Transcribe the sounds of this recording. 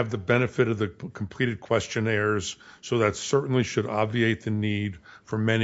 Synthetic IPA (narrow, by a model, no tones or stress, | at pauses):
ɨvðɨbɛnɨfɨɾʌvðɨkʰm̩pʰl̥iɾɨd̚kʰw̥ɛst͡ʃɨ̃nɛɹz̥soʊðɨtsɜ˞ʔn̩liʃɨɾɑbvieɪt̪̚ðɨnid̥fə˞mɛn